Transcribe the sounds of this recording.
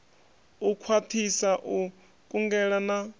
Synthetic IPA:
ukʰwatʰisaʔu | kʼuŋɡɛɺana

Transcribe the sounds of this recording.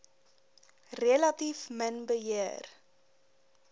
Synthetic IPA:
reəlɐtifmənbəɦiər

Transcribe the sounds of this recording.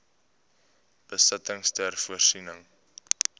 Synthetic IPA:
b̥əsətəŋstærfuərsinəŋ

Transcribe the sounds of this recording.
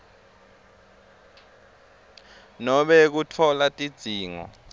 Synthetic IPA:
nɔɓɛk̬utʰɔlatʼid̥d͡z̥ʱiːŋɔ̰

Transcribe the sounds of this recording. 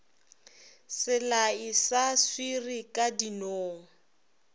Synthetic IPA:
sɪlaisaswirikʼadinoːŋ̩

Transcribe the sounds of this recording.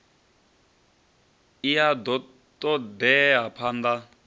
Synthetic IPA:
iadɔ | tɔd̪ɛapʰand̪a

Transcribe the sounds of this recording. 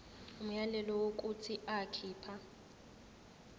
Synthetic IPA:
um̩jalɛlɔwok̬ʼut͡sʰiʔakʰiːpʰa

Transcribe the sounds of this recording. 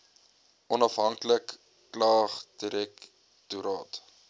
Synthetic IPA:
ʔɔnɐfɦɐŋkləkː | lɑːχd̥iɾɛk | tuɾɑːt

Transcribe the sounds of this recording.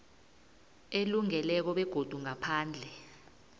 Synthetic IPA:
eluŋɛlɛk̬ɔɓɛɡ̥ʱod̥ʱuŋapʰaːnd͡ɮʱɛ

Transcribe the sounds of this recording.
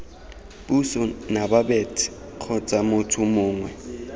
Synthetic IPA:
ɓusɔnaɓaɓetʰi̥ | q͡χʰɔt͡sʼamʊtʰumʊːŋwɛ

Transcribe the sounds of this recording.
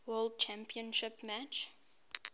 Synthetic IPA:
wɜld̚t͡ʃʰæ̃mpiə̃nʃɪpmæt͡ʃ

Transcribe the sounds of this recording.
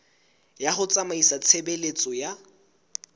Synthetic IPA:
jaχʊt͡sʼamaisat͡sʰebelet͡sʼɔja

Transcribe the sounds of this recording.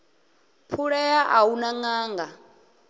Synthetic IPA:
pʰuɺɛjaʔaunaŋaːŋɡa

